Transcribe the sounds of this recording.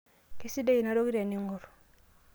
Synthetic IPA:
ki˦si˦de˦i˨na˦ɾo˦ki˦ɾa˨ni˦ŋu˨ɾ

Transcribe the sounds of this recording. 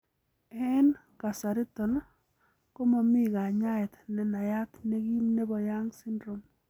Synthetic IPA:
ɛ˦n | ka˨sa˨ɾi˦tɔ˨n˦ | ko˦mɔ˨mi˦ka˨ɲa˦ɛ˨t̪nɛ˨na˨ja˦t̪ne˦ɡi˦mne˦bɔ˨ja˦ŋsi˦ndɾo˨m

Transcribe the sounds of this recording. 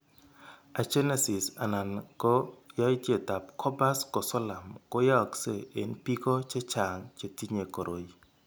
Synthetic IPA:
a˨t͡ʃe˦ne˦sɪ˨sa̰˨na˨nɡɔ˦jɔ˦i˦tje˦˨ta˨p̚kʰɔ˦ba˦skɔ˨sɔ˦la˨mkɔ˦ja˦˨kse˦˨e˨npi˦ko˦t͡ʃe˦t͡ʃa˨ŋt͡ʃe˨ti˦ɲe˨ko˨ɾʔo˨i˨

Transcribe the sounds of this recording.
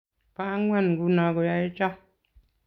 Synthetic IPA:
pa˦ŋwa˦˨n˨ɡu˨˦na˨ɡɔ˨ja˨e˦t͡ʃa˦

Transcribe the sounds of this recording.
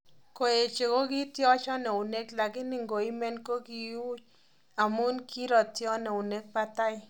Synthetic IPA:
ko˨e˨t͡ʃe˨ko˦ki˦tjɔ˦t͡ʃɔ˦ne˨u˨ne˦kla˨kɪ˦ni˦˨ŋɡo˨i˦me˦nko˦ki˨u˦t͡ʃ̚ | a˨mu˦nki˦ɾɔ˨tjɔ˦ne˨u˨ne˦k̚pa˦ta˦j

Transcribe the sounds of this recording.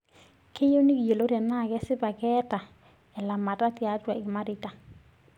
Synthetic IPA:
kʰe˦jo˦ni˦ɡje˨lo˦ɾja˨na˦˨ɡɛ˦sɪ˦ba˨kɛ˦ta˨ | ɛ˨la˨ma˨ta˦tja˨˦twa˨ɡɪ˨ma˦ɾɪ˦ta˨

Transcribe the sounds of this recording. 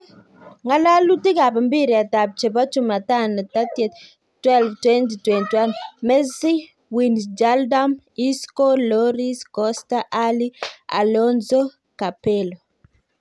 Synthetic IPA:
ŋa˦la˦lu˦ti˦ka˨pi˨mbi˦ɾi˨a˨ta˨p̚t͡ʃe˨bɔ˦t͡ʃu˦ma˨ta˦na˨ta˦tje˨t | twɛ˦lftwɛnti˨twɛ˨nti˨wa˦nmɛ˦si˦ | winsd͡ʒalda˦m | i˦sko˦lɔɾi˦skɔ˦sta˦ʔali˦a̰˨lɔnzo˦ | ka˨pelo

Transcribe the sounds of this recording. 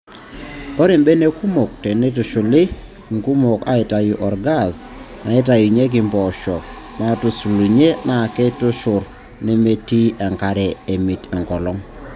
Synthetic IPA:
ɔ˦ɾɪ˨mbe˦ne˦ku˦mo˨k̚tɛ˨ne˦tu˨ʃʊ˨lɪ˦ | ŋku˦mo˨ka̰˨˦ɪ˨ta˨jʊ˨ʔɔ˨ɾɡa˦˨s | na˨ɪ˦t̬a˨ju˨ɲe˦ɡ̬ɪ˨mbɔ˨ʃɔ˨k̚ | ma˦tu˨su˨li˨ɲe˦na˨kɛ˦tʊ˦ʃʊ˨ɾ | nɪ˦me˦ti˦ɛ˨ŋka˨ɾɛ˨e˨mi˨tɛ˨ŋkɔ˨lɔ˦ŋ

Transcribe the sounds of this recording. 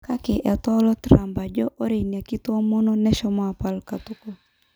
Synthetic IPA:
ka˦kɛ˨ʔɛ˨t̪ɔ˦lɔ˦t̪ɾa˨mba˨d͡ʒɔ˦ʔo˦ɾe˨nia˨ki˦t̪wɔ˦mɔ˦nɔ˦nɛ˦ʃɔ˦mɔ˦a˨pa˦lka˨t̪u˦ko˨

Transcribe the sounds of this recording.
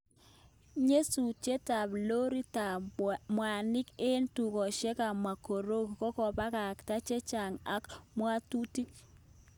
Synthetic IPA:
ɲe˦su˨t͡ʃe˦ta˨blo˦ɾi˦ta˨mwa˨nɪ˦ke˦ntu˨kɔ˨ʃe˦ka˨ma˨ko˨ɾo˦kkɔ˦kɔ˨pa˦ka˨kta˦t͡ʃe˦t͡ʃa˨ŋa˦kmwa˦tu˦ti˦k̚

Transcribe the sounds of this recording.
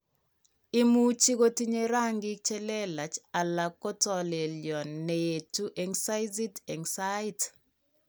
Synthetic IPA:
ɪ˦mu˦t͡ʃi˦ko˦ti˦ɲeɾa˦ŋɡi˦k̚t͡ʃɛ˦lɛ˦la˨t͡ʃa˨la˨kːɔ˦tɔ˨le˨ljɔ˨nːe˨je˨tu˦ʔɛ˦ŋsa˦jzi˦tɛ˨ŋsa˦it

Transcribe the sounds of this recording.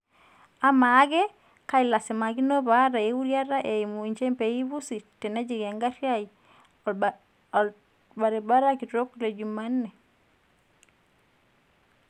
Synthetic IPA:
a˦maː˨˦ɡɛ˦ | ka˦i˨la˨sɛ˨ma˨ɡi˦no˦ba˨˦ɾa˨e˨˦wu˦ɾja˦ɾa˦ʔe˨i˨mu˨i˨ɲt͡ʃɛ˦mpe˨ji˦βu˦si˨tɛ˨nɛ˦d͡ʒi˨ɡɛ˨ŋɡa˦ɾja˦i˨ | ba˨ɾe˨ba˦ɾa˦ki˨to˦kːle˨d͡ʒu˨ma˦nːɛ˨

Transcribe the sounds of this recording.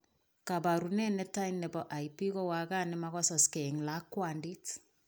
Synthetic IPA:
ka˨ba˨ɾu˨nɛ˦nɛ˦ta˦innɛ˨bɔ˨ʔa˨ipi˦kɔ˦wa˨ka˦nɛ˦ma˦ɣɔ˦sɔ˨skɛ˨ŋla˦kwandi˦t

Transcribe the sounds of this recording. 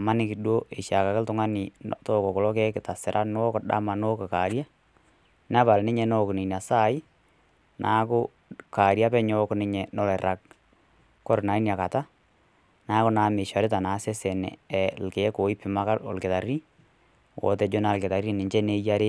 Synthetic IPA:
ma˦nɪ˦kɪ˨ɗwo˦ʔe˨ʃa˨ka˨kɪ˦ltʊ˦ŋa˦nɪ˨tɔː˦˨kɔ˨kɔ˨lɔ˦kɛ˦kɪ˨ta˨sɪ˨ɾʔa˦n˦ɔ˦kɗa̰˦ma˨no˦kɔ˨ka˨ɾja˦ | na˦pa˨lnɪ˦ɲɛ˨nɔ˦˨kni˨n˨a˨sa˦ɪ˦ | nʔaː˨˦kʊ˦ | ka˨ɾja˦pɛ˦ɲɔ˦knɪ˦ɲɛ˨nɔ˦lɛ˨ɾa˨k̚ | kɔ˦ɾna˨i˦na˨ka˨ta˦ | naː˨˦kʊ˦na˨˦mɪ˨ʃa˨ɾɪ˦t̬a˨na˨˦sɛ˦sɛ˨nɛ̰˨ɛ˨lke˨˦ko˨ɪ˦pɪ˨ma˦ka˦lɔ̰˨lkɪ˨ta˨ri˦ | wʔɔ̰˨tɛ˨˦d͡ʒo˦na˨lkɪ˨ta˨ri˦nɪ˨ɲt͡ʃɛ˦ne˦ja˦ɾe˦

